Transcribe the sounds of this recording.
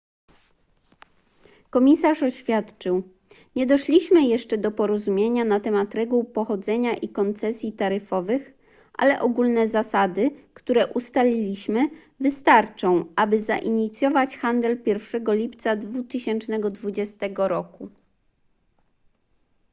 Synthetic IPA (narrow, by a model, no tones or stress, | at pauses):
kɔmʲisaʂɔɕfʲjat̪t͡ʂɘw | ɲɛd̪ɔʂlʲiɕmɘjɛʂt͡ʂɛd̪ɔpɔɾɔzumʲjeɲanat̪ɛmat̪ɾɛɡuwpɔxɔd̪zɛɲaʔikɔnt̪sɛsʲjit̪aɾɘfɔvɘx | ʔa̰lɛʔɔɡulnɛzasad̪ɘkt̪uɾɛʔust̪alʲilʲiɕmɘ | vɘst̪aɾt͡ʂɔ̃w̃ʔabɘza̰ʔiɲit̪sʲjɔvat͡ɕxand̪ɛlpʲjɛɾfʂɛɡɔlʲipt̪sad̪vut̪ɘɕɛnt͡ʂnɛɡɔd̪vud͡ʑɛst̪ɛɡɔɾɔku